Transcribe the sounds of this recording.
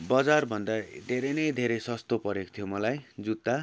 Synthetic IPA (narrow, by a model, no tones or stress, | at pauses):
bʌd͡zarbʱʌnd̪ad̪ʱeɾenʌjd̪ʱeɾʌjsʌst̪opʌɾeko̥t̪ʰijomʌlajd͡zut̪ːa